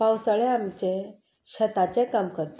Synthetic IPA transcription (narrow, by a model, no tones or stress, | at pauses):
pawsaɭeamt͡ɕẽ | ɕət̪at͡ɕekamkəɾt̪